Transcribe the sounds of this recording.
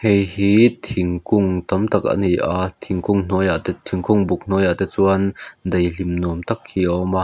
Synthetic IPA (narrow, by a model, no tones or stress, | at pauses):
hejhiːt̪ʰiŋkʊŋt̪ɐmt̪ɐk̚ʔa̰nijʔat̪ʰiŋkʊŋn̥ɔjat̪ɛt̪ʰiŋkʰʊŋbuk̚n̥ɔjat̪ɛt͡suɐnd̪ejlimnɔmt̪ɐk̚hiʔɔma